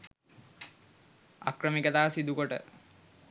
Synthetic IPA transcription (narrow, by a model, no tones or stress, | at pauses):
a̰krəmikət̪aːsid̪ukoʈə̰